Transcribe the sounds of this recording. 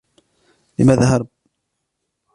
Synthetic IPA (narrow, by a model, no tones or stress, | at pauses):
lɪmaːðaɦɑɾˤb̚